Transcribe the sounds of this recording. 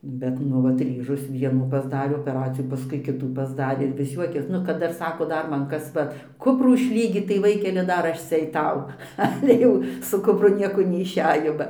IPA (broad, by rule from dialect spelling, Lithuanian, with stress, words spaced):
ˈbʲɛt ˈnʊ ʋɐt ˈrʲiːʒoːs ˈʋʲiɛnuː pɐzˈdɑːrʲeː oːpʲɛˈrɑːt͡sʲɪjæː pɐˈskʊɪ ˈkʲɪtuː pɐzˈdɑːrʲeː ɪr ʋʲɪs ˈjuɔkʲeːs nʊ kɐt ˈdɐr ˈsɑːkoː ˈdɐr ˈmɐn ˈkɐs ˈʋɐ ˈkʊpruː ɪʃʲˈlʲiːɡʲiːt tɐɪ ˈʋɐɪkʲɛlʲɪ ˈdɐr ˈɐʃ ˈt͡sʲɛ ɐɪˈtɐʊ ˈɑːlʲɛ jɛʊ sʊ kʊpˈrʊ ˈnʲiɛkoː nʲɛɪʃʲˈæːjoː bɐ